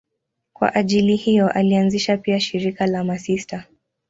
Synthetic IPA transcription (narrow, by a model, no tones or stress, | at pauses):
kwa̰ʔaʄilihijɔʔalianziʃapiaʃiɾikalamasista